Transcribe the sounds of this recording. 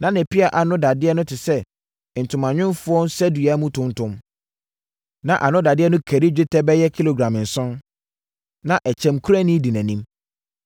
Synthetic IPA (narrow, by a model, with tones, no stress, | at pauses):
nã˨˦nɪ̃˨pʰi˦a˨ʔa˨nʊ̃˦da˨dɪ˦ɛ˦nʊ̃˦tʰɪ˨sɛ˦ | n̩˨tʰʊ̃˨mã˨ɲᶣɪ̃˦nfʊ˦ɔ̃˦n˦sɛ˦du˨a˨˦mũ˦tʰʊ̃˦n˦tʊ̃˦m | nã˨ʔa˨nʊ̃˦da˨dɪ˦ɛ˦nʊ̃˦kʰæ˨ɾi˦d͡ʑᶣɪ˦tʰɛ˦bɛ˦jɛ˦kʰi˦lo˨ɡɾã˨m˨n̩˨sʊ̃˦n | nã˨ʔɛ˨t͡ɕʰɛ̃˨mkʰu˦ɾæ˦nĩ˦di˨næ̃˨nĩ˦m